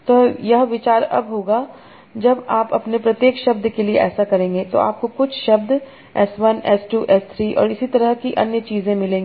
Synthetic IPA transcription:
t̪oːjɐɦʋɪt͡ʃaːɾɐ̰bɦoːɡa | d͡ʒɐbaːpɐpnepɾɐt̪jeːkʃɐb̚d̪ʱkelieʔɛ̰ːsakɐɾẽːŋɡet̪o̰a̰ːp̚kokʊt͡ʃʰʃɐb̚d̪ | ɛ̰sʋɐnɛsʈuːʔɛːst̪ʰɾiːʔɔ̰ːɾɪsit̪ɐɾəɦkiʔɐ̰njət͡ʃiːzẽmɪlẽːŋɡ

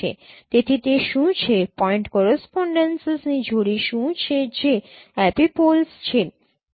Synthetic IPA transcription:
ḛt̪et̪ʰit̪eʃũt͡ɕʰepɔeɳʈkɔɾespɔɳɖensesnid͡ʑʱoɽiʃũt͡ɕʰet͡ɕeɛpipolst͡ɕʰe

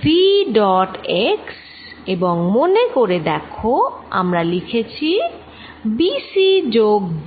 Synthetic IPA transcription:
fiɖɔʈeks | eboŋmonekoɾed̪ɛkʰoa̰mɾalikʰet͡ɕʰi | bisid͡ʑoɡ

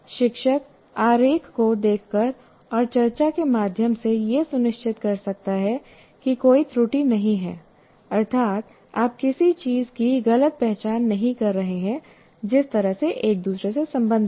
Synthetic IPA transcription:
ʃɪkʃək | aːɾeːkʰkod̪eːkʰkəɾ | ɔːɾt͡ʃɐɾt͡ʃakemaːd̪ʱjəmsejesʊnɪʃt͡ʃʰɪt̪kɐɾsɐk̚t̪aɦɛ | kikoːit̪ɾuːʈinɐɦĩɦɛː | ɐɾt̪ʰaːt̪ | aːp̚kɪsit͡ʃiːzkiɣɐlət̪̚pɛɦt͡ʃaːnːɐɦĩkɐɾːɐɦeɦɛ̃ | d͡ʒɪst̪ɐɾəɦseʔeːk̚d̪uːsɾesesɐ̃mbə̃nd̪ʱ

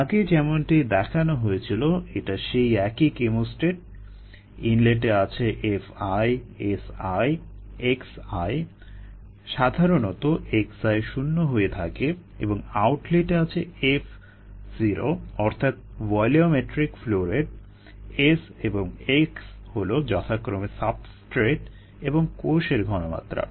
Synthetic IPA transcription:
aɡed͡ʑɛmonʈid̪ɛkʰanoɦoet͡ɕʰiloeʈaʃejɛkikemusʈeʈ̚ | inleʈ̬eat͡ɕʰeʔefajesajeksaj | ʃad̪ʱaɾonɔt̪oʔeksajʃunːoɦoet̪ʰake | ḛboŋawʈleʈeat͡ɕʰeef | ziɾo̰ɔɾt̪ʰat̪̚vɔjliomeʈɾikfloɾeɖ | eseboŋeks | holod͡ʑɔt̪ʰakɾomesabsʈɾeʈ | eboŋkoʃeɾɡʱɔnoma̰t̪ːɾa̰

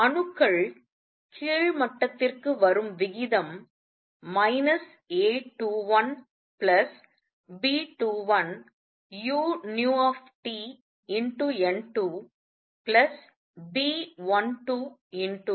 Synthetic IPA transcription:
ɐɳɯkːɐɭ | kʰiːɻmɐʈːɐt̪ːɪrkɯʋɐɾɯmʋɪɣɪðɐmː | ɐɪnɐs | eːʈuːʋɐn | pɭɐs | biːʈuːʋɐn | juːnjuːɔːfʈiː | ɪɳʈuɛnʈu | plɐs | biːʋɐnʈuːɪnʈu

